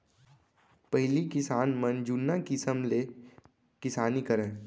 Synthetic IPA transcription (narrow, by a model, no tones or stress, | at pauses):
pəɦlikɪsaːnmənd͡ʒunːakɪsəmle | kɪsaːnikəɾə̃